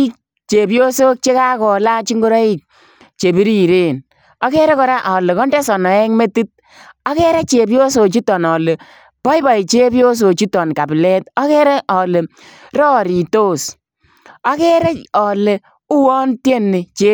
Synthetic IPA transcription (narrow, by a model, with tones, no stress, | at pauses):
t͡ʃe˨pjo˦so˦k̚t͡ʃe˦ka˦kɔ˨la˦t͡ʃi˦ŋɡo˦ɾɔ˦i˦k̚ | t͡ʃe˨bi˦ɾi˦ɾe˦n | ɔ˦kɛ˦ɾɛ˦kɔ˨˦ɾa˦ʔɔ˨le˨kɔ˦ndɛ˦sɔ˨nɔ˨ɛ˦ŋme˦ti˦t̚ | ɔ˦kɛ˦ɾɛ˦t͡ʃe˨pjo˦s̬o˨t͡ʃi˦tɔ˨nɔ˨le˨ | pɔ˦jba˨i˨t͡ʃe˦pjo˦s̬o˨t͡ʃi˦tɔ˨nka˨plɛ˦tɔ˦kɛ˦ɾɛ˦ʔɔ˨le˨ | ɾɔː˦˨ɾi˨to˦s | ɔ˦kɛ˦ɾɛ˦ɔ˨le˨ | u˦wɔ˦ntje˦nːɪ˨t͡ʃe˦